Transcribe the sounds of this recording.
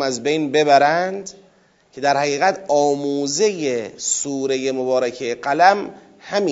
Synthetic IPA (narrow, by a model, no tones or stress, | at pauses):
mæzbejnbe̞bæɾænd̪ | cʲʰe̞d̪æɾhæɣiːɣæt̪ʰɒːmuːzejesuːɾe̞je̞mobɒːɾækʰejeɢælæm | hæmi